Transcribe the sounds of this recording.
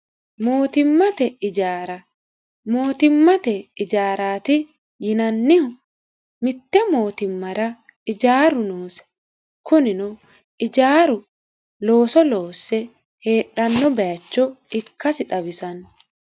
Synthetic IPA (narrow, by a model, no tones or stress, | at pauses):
mo̞ːt̪ɪmːɐt̪ɛɪd͡ʒaːɾɐ | mo̞ːt̪ɪmːɐt̪ɛɪd͡ʒaːɾaːt̪ɪ | jɪnɐnːɪhʊ | mɪt̪ːɛmo̞ːt̪ɪmːɐɾɐ | ɪd͡ʒaːɾʊnoːsɛ̥ | kʊnɪnʊ | ɪd͡ʒaːɾʊ | lo̞ːsɔlo̞ːsːɛ | he̞ːᶑːɐnːɔbɛjɐt͡ʃːɔɪkːɐsɪᶑɐbɪsɐnɔ